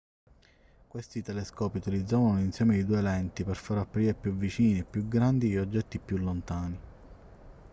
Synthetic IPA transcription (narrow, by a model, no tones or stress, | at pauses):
kwest̪it̪ɛlɛskɔːpiut̪ilid̪zːaːvanoinsjɛːmeid̪uːelɛnt̪ipɛrfaɾapːɾiːɾepːjuvit͡ʃiːniɛpːjuɡɾand̪iʎiɔd͡ʒːɛt̪ːipjulːont̪aːni